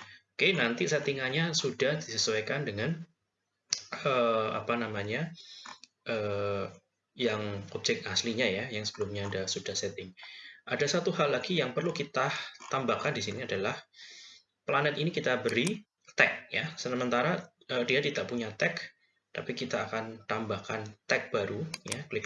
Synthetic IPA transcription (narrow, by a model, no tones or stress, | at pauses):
okenant̪iset̪iŋaɲasudahd̥isəsuwekandəŋan | əa̰panamaɲa | ʔəː | jaŋɔp̚d͡ʒɛk̚asliɲajajaŋsəb̥əlʊmɲaːdasudahset̪ɪŋʔadasat̪uɦalːaɡijaŋpərlukit̪at̪ambahkandisiniadalah | planɛt̪inikit̪abəɾi | t̪ɛk̚jasəməmənt̪aɾa | ʔəːdiadit̪aʔpuɲat̪ɛk | t̪apikit̪aːkant̪ambahkant̪ɛk̚b̥aɾujaklɪk